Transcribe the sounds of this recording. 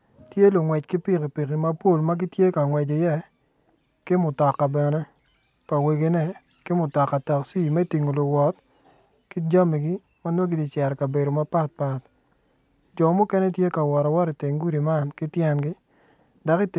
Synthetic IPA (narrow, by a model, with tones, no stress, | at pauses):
tje˦lʊ˨ŋwɛ˨t͡ʃkɪ˦pi˦ki˨pi˨ki˨ma˦po˦˨lma˦ɡi˦tje˦ka˨ŋwɛ˨d͡ʒi˨jɛ˦ | kɪ˦mʊ˨tɔ˨kːa˨bɛ˨nɛ˦ | pa˨we˨ɡe˨nɛ˦ | kɪ˦mʊ˨tɔ˨kːa˨ta˨ksi˦˨mɛ˦ti˨ŋo˨lʊ˨wɔ˨t̚ | ki˦d͡ʒa˦mi˨ɡi˦ | ma˦no˦ɡi˦di˨t͡ʃɛ˨ɾɛ˨ka˨be˨ɾo˨ma˦pa˦t̚pa˨t | d͡ʒɔ˨mʊ˦kɛ˦nɛ˦tje˦ka˨wɔ˨ɾɔ˨wɔ˦ɾɪ˨te˨ŋɡu˦ɾi˨ma˦˨nkɪ˦tjɛ˦nɡɪ˦ | da˨kɪ˦t